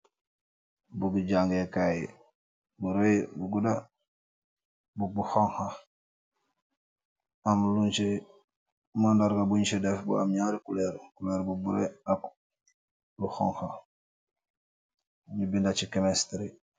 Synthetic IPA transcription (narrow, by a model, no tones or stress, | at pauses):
buɡiɟaŋɡekaji | buɾojibuɡuda | bubuxoŋxa | amlunt͡ʃe | mandaɾɡabuɲt͡ʃedefbṵa̰mɲaɾikuleɾkuleɾbubuɾoak | buxo̰ŋxa | ɲibindat͡ʃikemestɾi